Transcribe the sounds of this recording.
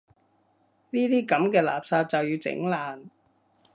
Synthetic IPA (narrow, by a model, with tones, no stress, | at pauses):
niː˥t̪iː˥kɐ˨˥mkɛː˧la̰ː˨˩p̚saː˧p̚t͡sɐ˨wjyː˧t͡sɪ̰˨˧˥ŋlaː˨˩n